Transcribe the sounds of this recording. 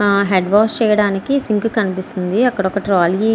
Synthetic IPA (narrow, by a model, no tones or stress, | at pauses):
ɦeɖʋaːst͡ʃɛːjɐɽaːnikisiŋkkɐnipist̪und̪iɐkːɐɽɔkːɐʈɾaːli